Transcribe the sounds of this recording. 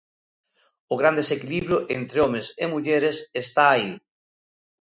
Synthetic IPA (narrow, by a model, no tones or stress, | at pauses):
ʊɣɾand̪esekiliβɾjʊʔent̪ɾeɔmesemuʎeɾesest̪aːi